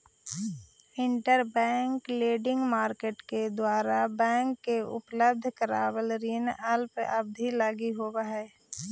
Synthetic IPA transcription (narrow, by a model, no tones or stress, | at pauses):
ɪɳʈəɾbɛ̃ːŋkleːɖɪ̃ŋɡmaːɾkeːʈked̪waːɾabɛ̃ːŋkːeʊ̰pləb̚d̪ʱkəɾa̰ːwəlɾinəlpəb̚d̪ʱilaːɡiɦoːbaɦɛː